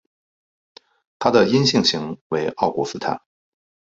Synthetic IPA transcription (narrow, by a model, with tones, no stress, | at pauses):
t̪ʰa˥d̪ə˨i˥nɕi˥˩ŋɕi˧˥ŋwe˧˥ɪʔɑ˥˩ʊkwɔ˧˥sɹ̩˥t̪ʰa̰˥˩n